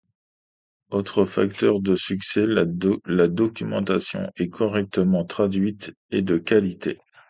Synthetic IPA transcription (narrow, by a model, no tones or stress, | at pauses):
ot̪χəfa̰k̚t̪œʁd̪əsyksɛlad̪ɔkʲymɑ̰̃t̪asjɔ̰̃ɛkʰɔʁɛk̚t̪əmɑ̃t̪χad̪ɥit̪ | ed̪əkalit̪ḛ